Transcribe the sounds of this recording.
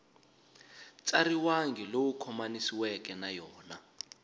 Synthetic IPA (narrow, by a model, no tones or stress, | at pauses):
t͡sʼariwaŋɡʱilowukʰɔmanisiwɛkɛnajɔːna